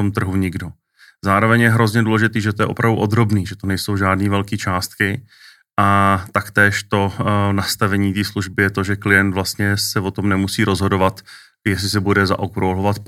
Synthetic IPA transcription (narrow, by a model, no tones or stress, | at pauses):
omt̪r̩ɦuɲɪɡdo | zaːɾo̞vɛɲjɛɦɾo̞zɲɛduːlɛʒɪt̪iːʒɛt̪ojɛ̰ʔo̞̰pɾavduʔod̪ɾo̞bniːʒɛt̪onɛjso̞wʒaːdniːvɛlkiːt͡ʃaːst̪kɪ | ʔat̪akt̪ɛːʃt̪o̞nast̪avɛɲiːt̪iːsluʒbɪjɛt̪oʒɛklɪjɛnt̪vlast̪ɲɛsɛvo̞t̪omnɛmusiːɾo̞zɦo̞do̞vat̪ | jɛs̬lɪs̬ɛbudɛza̰ʔokɾolovat̪